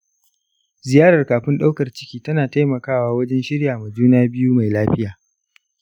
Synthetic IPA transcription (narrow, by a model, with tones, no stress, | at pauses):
zɪ˨jaː˦ɽɐ˨rkaː˨ɸɪ˦nɗa˦wkɐ˨rt͡ʃɪ̥˦kʲiː˦tɐ˦naː˨ta˦jmɐ˨kaː˦waː˦wɐ˦d͡ʒɛ˦nʃɪ˦ɽjaː˨mɐ˨d͡ʒuː˦naː˦bɪ˦juː˦ma˨jlaː˦ɸɪ˦jaː˨